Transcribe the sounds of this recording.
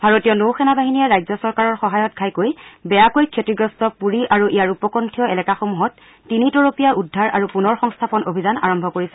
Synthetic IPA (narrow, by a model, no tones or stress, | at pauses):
bʱaɹotijɔnowxɛnabaɦinijaɹajzɔsɔɹkaɹɔɹxɔɦajɔt̚ɡʰʱajkojbɛjakojkʰetiɡɹɔstɔpuɹiʔaɹuʔijaɹupɔkɔntʰijɔɛlɛkaxomuɦɔtː | initɔɹopijaʔudʱːaɹa̰ɹupunɔɹxɔŋstʰapɔnobʱizana̰ɹɔmbʱɔkoɹisɛ̥